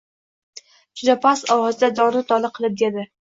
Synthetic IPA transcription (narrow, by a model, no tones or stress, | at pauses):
d͡ʒʊd̪apʰasɒwɒzɪd̪ad̪ɒʁnɪt̪ʰɒlˠɨqʰɨlˠɪp̚d̪ed̪ɪ